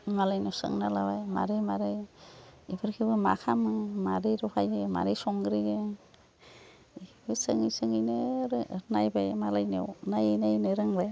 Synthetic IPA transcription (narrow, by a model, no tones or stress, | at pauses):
malajnɯwsɯ̰ŋnalabajma̰ɾɯjmaɾɯj | ibɯɾkʰibɯma̰kʰamɯmaɾɯjɾɔpʰajɡema̰ɾɯjsɔŋɡɾiɡe | ibɯsɯŋijsɯŋijnɯɾnajbajmalajnḛwnajejnanɯɾɯŋbaj